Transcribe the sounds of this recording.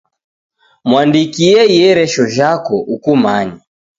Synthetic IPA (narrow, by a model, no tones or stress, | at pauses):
mwandikiɛijɛɾɛʃɔʒakɔʔukumaɲa